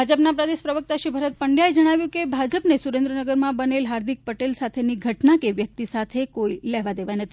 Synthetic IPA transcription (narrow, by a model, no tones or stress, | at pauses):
bʱad͡ʒəpnapɾəd̪eʃpɾəʋək̚t̪aʃibʱəɾət̪̚pəɳɖjaed͡ʒəɽ̃aʋjũkebʱad͡ʒəpnesuɾẽnd̪ɾənəɡəɾmãbənelɦaɾd̪ik̚pəʈelsat̪ʰeniɡʱəʈnakeʋjək̚t̪isat̪ʰekoilɛʋad̪eʋanət̪ʰi